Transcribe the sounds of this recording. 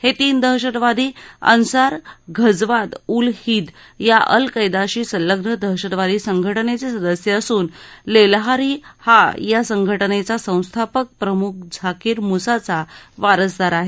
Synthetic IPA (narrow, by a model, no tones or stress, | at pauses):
het̪iːnd̪əɦɕəɽʋad̪ʱiːə̰nsaɾɡʱəd͡zʋat̪ulhiːd̪ | jaʔə̰lkəjd̪aɕiːsələɡnəd̪əɦɕəɽʋad̪ʱiːsəŋɡʱəʈənet͡sesəd̪əsjeəsuːnlelɦaɾiːhajasəŋɡʱəʈənet͡sasə̃w̃st̪ʰapək̚pɾəmuk̚ʰd͡zʱakiːɾmusat͡saʋaɾəsd̪ʱaɾaɦe